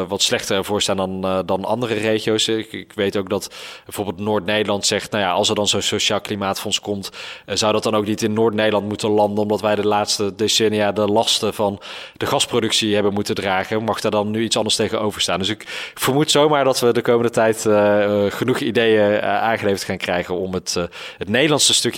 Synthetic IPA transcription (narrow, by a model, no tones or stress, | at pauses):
ʋɑtslɛχtəvʊːɹstaːndɑndɑnɑ̰ndərərejχijowskɪkʋejtowk̚dɑtbbɛjvoːɹbɪːlˠtnʊːɹtnejdəɹlɑntsɛχtnawjaʔɑ̰lˠsəɹdɑnzonsoʃaːlˠklimaːtfɔnskɔmtzawdɑt̚dɑnowknitɪnːʊːɹtnejdəlɑntmutənlɑndənɔmdɑtʋɛjdəlaːtstədesɛnijadəlɑstəvɑnd̥əχɑsprodɵksiɦɛbənmutəndraːχəmɑχdaːɹdɑnːyitsɑndəɹstejχənowvəɹstaːndɵsɪkfəɹmutsowmaːɹdɑtʋədəkowməndətɛjt | χənuχidejəʔaːŋχəlejfətχaːnkrɛjχənɔmətɦətnejdəlɑnsəstɵk